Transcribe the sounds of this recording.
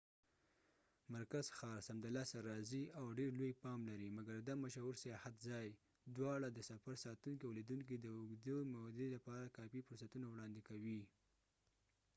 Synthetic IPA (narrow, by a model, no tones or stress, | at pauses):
maɾkaz̥xɑɾsamd̪alɑsaɾːɑziawɖeɾlojpɑmlaɾimaɡaɾd̪amaʃɑwuɾsajɑhat̪zɑj | d̪wɑɽad̪əsafaɾsɑt̪uŋkiawlid̪uŋk̬id̪əʊɡd̪əmod̪elapɑɾakɑpifʊɾsat̪unawɽɑnd̪ɪkawi